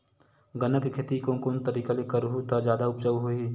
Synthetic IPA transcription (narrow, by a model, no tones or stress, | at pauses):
ɡənəkkʰeːt̪ikõkoːnt̪əɾiːkalekəɾɦut̪ad͡ʒjaːd̪aʊp̚t͡ʃəʋɦoiː